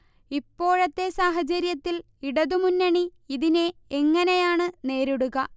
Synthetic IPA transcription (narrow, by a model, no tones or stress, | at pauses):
ipːo̞ːɻɐt̪ːe̞saːɦɐt͡ɕɐɾjɐt̪ːil | iɽɐðumunːɐɳiiðine̞eŋːɐnejaːɳɨne̞ːɾuɽuɣɐ